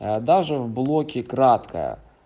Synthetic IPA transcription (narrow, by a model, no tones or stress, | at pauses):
d̪aʐɨvblˠokʲɪkɾat̪kə̰jə̰